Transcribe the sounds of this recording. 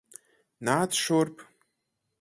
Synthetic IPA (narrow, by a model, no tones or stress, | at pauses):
naːtʰʂorpʼ